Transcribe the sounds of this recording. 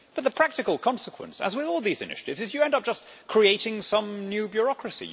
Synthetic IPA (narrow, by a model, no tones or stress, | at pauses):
b̥ʌt̪̚ðəpʰɹ̥æk̚tɨkəlˠkʰɒ̃nsəkʰwə̰̃nsə̰zwɪðɔlˠðizɨ̰nɪ̰ʃə̥tɨvzɨzjɨɛ̃ndʌp̚ʒ̥ʌs | kʰɹ̥ieɪɾɪ̃ŋsʌ̃mnjʉbjʊɹɒkɹɨsḭ